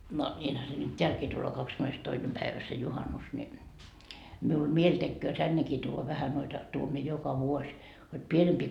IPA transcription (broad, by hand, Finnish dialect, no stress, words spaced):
no nʲiːnhæ se nyt teælkiː tulːoː kɑkskymːenestoinem pæiʋæ se juhɑnus ni miul mielʲ tekːøː tænːekiː tuːʋɑ ʋæhæ noitɑ tuom mie jokɑ ʋuosʲ hod pienempiː